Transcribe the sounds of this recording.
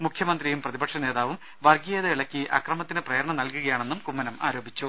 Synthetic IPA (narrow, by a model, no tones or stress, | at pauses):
mukʰjɐmɐnd̪rijumprɐðibɐkʂɐneːðaːʋum | ʋɐrɡijeːðɐiɭɐkːiʔɐkrɐmɐt̪ːinɨprɐjɐɾɐɳɐmnɐlkuɣɐjaːɳenːumkumːɐnɐma̰ːɾo̞ːbʱit͡ɕːu